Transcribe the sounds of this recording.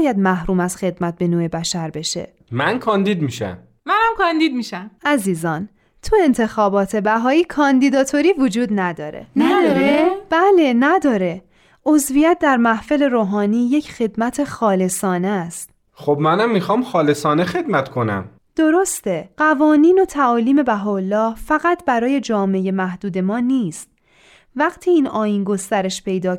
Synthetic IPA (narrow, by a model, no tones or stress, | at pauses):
jæd̪̚mæhɾuːmæz̥xe̞d̪mæt̪̚be̞noːebæʃæɾbe̞ʃe̞̰ | mænkʰɒːnd̪iːd̪miːʃæ̰m | mænæmkʰɒnd̪iːd̪̚miʃæmæziːzɒːn | t̪ʰue̞nt̪ʰe̞xɒːbɒːt̪ʰe̞bæɦɒːiːkʰɒːnd̪iːd̪ɒːt̪ʰo̞ɾiːvod͡ʒuːd̪næd̪ɒːɾḛnd̪ɾeb̥æle̞næd̪ɒːɾe̞ | ʔo̞zvijæt̪̚ʰd̪æɾmæhfe̞le̞ɾoːɦɒːniːje̞cʰxe̞d̪mæt̪ʰe̞xɒːle̞sɒːnest̪ | xobmænæmːixɒːmxɒːlesɒːnexe̞d̪mæt̪kʰo̞næ̰m | d̪̥o̞ɾo̞st̪e̞ɢævɒːniːno̞t̪ʰæɒːliːme̞bæɦɒːolːɒːhfæɣæt̪ʰbæɾɒːje̞d͡ʒɒːme̞je̞mæhd̪uːd̪e̞mɒːniːst̪̚ | væɢ̥t̪ʰiːiːnɒːjiːnɡo̞st̪æɾe̞ʃpʰe̞jd̪ɒː